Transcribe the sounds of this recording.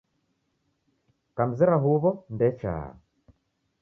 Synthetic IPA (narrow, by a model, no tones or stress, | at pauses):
kam̩zɛɾaɦuβɔndɛt͡ʃa̰ː